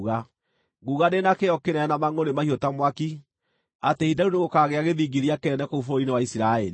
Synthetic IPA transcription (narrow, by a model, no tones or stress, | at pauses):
ɣa | ɡuːɣadenakeɔkenɛnamaŋonemahiotamwaki | atehidaɾuneɣokaɣeaɣeðiːɡiɾiakeɾɛnɛkoufoinewaisiɾaɛɾi